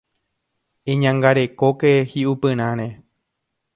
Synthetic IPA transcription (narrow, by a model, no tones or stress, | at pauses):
ẽɲãŋɡaɾe̞ko̞kehiʔupɨ̃ɾ̃ãɾ̃ẽ